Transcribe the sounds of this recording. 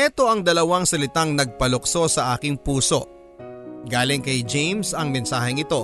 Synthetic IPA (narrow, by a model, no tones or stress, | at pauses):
ɛt̪o̞ʔɐŋd̪ɐlɐwɐŋsɐlɪt̪aŋnɐɡ̚pɐlokso̞sɐʔaːkɪŋpuːso̞ʔ | ɡaːlɪŋkɐjd͡ʒejmsɐŋmɛnsaːɦɪŋɪt̪o̞